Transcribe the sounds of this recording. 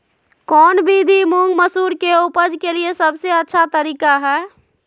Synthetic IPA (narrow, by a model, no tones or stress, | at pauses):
kɔːnbʱid̪ʱimuŋɡməsuɾkeupəd͡ʒkeliesəbʱseətːʃʰat̪əɾikaɦɛː